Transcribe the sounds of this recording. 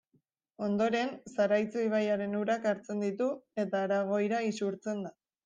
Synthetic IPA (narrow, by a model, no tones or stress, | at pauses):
o̞nd̪o̞ɾe̞nsaɾajt͡suiβ̞ajaɾe̞nuɾakaɾt͡se̞nd̪it̪ue̞t̪aːɾaɣ̞o̞jɾaisuɾt͡se̞nd̪a